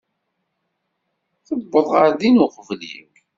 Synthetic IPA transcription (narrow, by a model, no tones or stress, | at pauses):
θəbːəðˤʁəɾðinʊqvlḭw